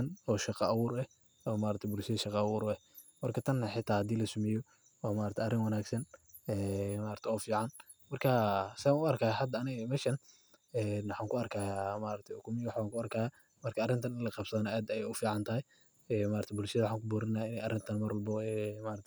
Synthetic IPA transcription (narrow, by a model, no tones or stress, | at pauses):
nɔːʃɑqɑʔɐwʊːɾɛ | ɔːmaːɾɐt̪ʰbʊlʃɐðɐʃɑqɑɐwʊːɾɛ | mɐrkʰɐt̪ʰɐnːɐħɪt̪ʰaːhɐd̪iːlɐsʊmɛjɔ | wɑːmaːɾɐt̪ʰɛʔɐrɪŋwɑnaːɡsɐn | ɛːmaːɾɐt̪ʰɛɔːfiːʕan | mɐrkʰasɪanʊɐrkʰaːhahɐd̪ɐɐnɪɣɐmɛʃɐn | ɛːnʊħaːŋkʰʊɐrkʰaːjamaːɾɐk̚t̪ʰɛʊkʰʊmɪwħaːŋkʰʊɐrkʰaːjaː | mɐrkʰɐɐrɪnt̪ʰɐnɪnlɐqɑbsɐðnɔaːd̪ɛjɛjʊfiːʕant̪ʰɐɦɛj | ɛːmaːɾt̪ʰɛbʊlʃɐðɐwħaːŋkʊbuːɾɐnːaːɪnɛjɐrɪnt̪ʰɐnmɐɾwɔlbɔɛːmaːɾɐt̪ʰɛ